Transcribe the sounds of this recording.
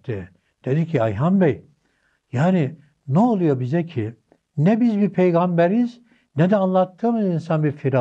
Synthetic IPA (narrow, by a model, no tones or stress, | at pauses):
t̪ɛ | d̪̥ed̪icʰiajɦambɛj | jaːni | nɛolˠujo̞bizɛcʰi | nɛbizbipʰejɡambɛɾiz | nɛd̪ɛanlˠat̪ːɯːmɯzinsanbiɾfiɾa